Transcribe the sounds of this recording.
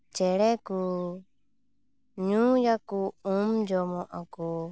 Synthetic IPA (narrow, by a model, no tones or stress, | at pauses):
t͡ʃɛɺɛku | ɲũjakuũmd͡ʒɔmɔ̃ʔaku